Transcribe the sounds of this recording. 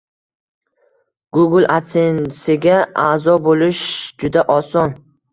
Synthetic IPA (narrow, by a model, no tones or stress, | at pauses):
ɡ̥uɡɪlasʰenseɡʲaazɒbolɪʃd͡ʒʊd̪aʔɒsɒn